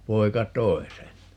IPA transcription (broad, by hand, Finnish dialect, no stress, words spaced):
poi̯kɑ tˑoi̯ sen